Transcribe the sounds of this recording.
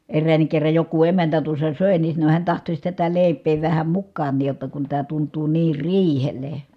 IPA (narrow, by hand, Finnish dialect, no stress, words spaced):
erːæːnːik kerːɑj joku emæntæ tuosːɑ søˑe ni sɑno hiæn tɑhtosʲ tætæ leˑi̯pˑeː ʋæhæ mukːɑːnˑiːj jotːɑ kun tæː tuntˑuː niːr riːhelˑe